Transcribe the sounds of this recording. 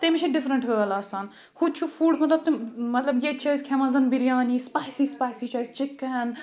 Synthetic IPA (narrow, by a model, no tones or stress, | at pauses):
t̪emɪt͡ʃʰeɖɪfɾə̃ɳʈɦəːɐlaːsaːn | xud̪̚t͡ʃʰufuːɖmɐt̪ləb̚t̪emɐt̪lɐbjet͡ʃaːzkʰemɐzɐnbiɾijaːniːspaːjsiːspaːsit͡ʃaːjzt͡ʃɪkːɦɛn